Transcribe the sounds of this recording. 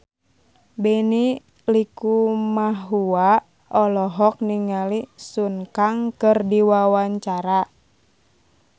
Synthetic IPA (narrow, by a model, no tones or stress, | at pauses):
bɛni | likumaɦua | ɔlɔɦɔk̚niŋalisuŋkaŋkɨrdiwawaɲt͡ʃaɾa